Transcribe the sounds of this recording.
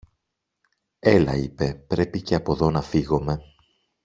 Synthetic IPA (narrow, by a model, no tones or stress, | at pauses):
e̞lɐ̰ipe̞pɾe̞pice̞ɐpo̞ðo̞nɐfiɣo̞me̞